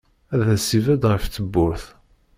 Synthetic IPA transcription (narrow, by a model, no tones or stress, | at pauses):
æðæsivæd̪ʁəftːəbːʊɾθ